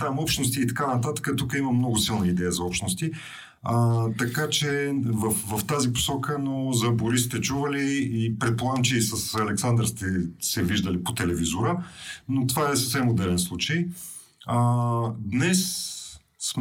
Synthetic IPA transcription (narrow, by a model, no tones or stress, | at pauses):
t̪amɔpʃnost̪iːt̪ɐ̥kanɐt̪at̪ə̥kət̪ukəiməmnɔɡʊsilˠnəid̪ɛjəzɐɔpʃt̪nost̪i | ət̪ɐkat͡ʃɛvəfvɐft̪azipo̥sɔkənozɐboɾist̪ɛt͡ʃuvəliːpɾɛt̪̚polˠamt͡ʃiːsəsɐlɛksand̪əɾst̪ɛsɛviʒd̪əlipot̪ɛlɛvizʊɾənot̪ovaɛsəfsɛmod̪ɛlɛnslˠut͡ʃəj | əd̪nɛs | sm